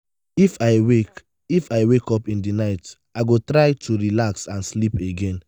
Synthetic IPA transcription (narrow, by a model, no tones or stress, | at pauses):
ifaɪwek | ifaɪwekɔpĩndinaɪt | aɪɡotɹaɪtʰuɹilaksãnslipeɡɛ̃n